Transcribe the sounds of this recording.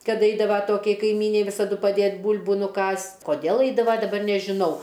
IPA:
kɐt ˈɐɪdɐʋɐ ˈtoːkʲɛɪ kɐɪˈmʲiːnʲɛɪ ˈʋʲɪsɐdʊ pɐˈdʲeːtʲ ˈbuːlʲbʊ nʊˈkɑːsʲtʲ koːˈdʲeːlˠ ˈɐɪdɐʋɐ dɐˈbɐr nʲɛʒʲɪˈnɐʊ

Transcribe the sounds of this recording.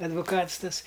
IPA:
ɐdʋʊˈkɐts ˈtɐs

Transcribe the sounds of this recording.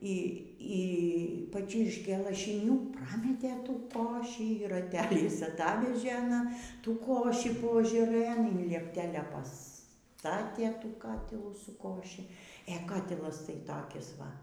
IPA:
ˈiː iː pɐˈt͡ʃʲɪrʲʃʲkʲeː lˠɐʃʲɪˈnʲuː ˈprɑːmʲɛtʲeː ˈtuː ˈkoːʃʲiː ɪr rɐˈtʲæːlʲɛɪs ɐˈtɑːʋʲɛʒʲeː ɐˈnɐ ˈtuː ˈkoːʃʲiː poːɐʒɐˈrɘn ɪn lʲiɛpʲˈtʲæːlʲɛ pɐˈstɑːtʲeː ˈtuː ˈkɑːtʲɪlˠuː sʊ ˈkoːʃʲɪ eː ˈkɑːtʲɪlˠɐs tɐɪ ˈtɑːkʲɪs ˈʋɐ

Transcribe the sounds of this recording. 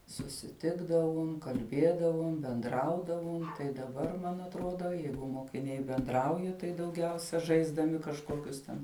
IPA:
sʊsʲɪˈtʲɪɡdɐʋʊm kɐlʲˈbʲeːdɐʋʊm bʲɛnˈdrɐʊdɐʋʊm tɐɪ dɐˈbɐr mɐn ɐtˈroːdoː ˈjɛɪɡʊ moːkʲɪˈnʲɛɪ bʲɛnˈdrɐʊjɛ tɐɪ dɐʊˈɡʲɛʊsʲɛ ʒɐɪzdɐˈmʲɪ kɐʃˈkoːkʲʊs tʲɛn

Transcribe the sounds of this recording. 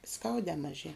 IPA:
ˈskɐʊdʲɛː mɐˈʒʲiɛ

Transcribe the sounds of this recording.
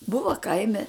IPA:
ˈbʊʋɐ ˈkɐɪmʲɛ

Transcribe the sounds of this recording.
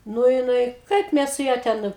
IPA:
ˈnʊ jɪˈnɐɪ ˈkɐɪp ˈmʲɛs sʊ ˈjɛ ˈtʲɛn

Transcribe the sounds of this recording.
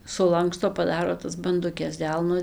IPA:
sʊˈlˠɐŋkstoː pɐˈdɑːroː tɐs bɐndʊˈkʲɛs ˈdʲɛlˠnoː

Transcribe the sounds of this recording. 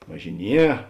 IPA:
ʋɐʒʲɪˈnʲiɛ

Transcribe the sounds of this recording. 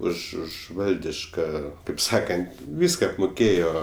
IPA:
ˈʊʃ ˈʊʃ ˈʋɐlʲdʲɪʃkɐ kɐɪp ˈsɑːkɐnt ˈʋʲiːskɐ ɐpmʊˈkʲeːjoː

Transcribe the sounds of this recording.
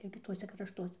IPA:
jɛʊ kʲɪˈtuɔsʲɛ krɐʃˈtuɔsʲɛ

